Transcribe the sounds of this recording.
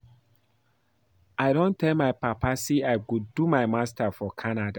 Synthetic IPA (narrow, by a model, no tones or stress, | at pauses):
aɪɾõntɛlmaɪpapasiaɪkuddumaɪmastafɔkʰanada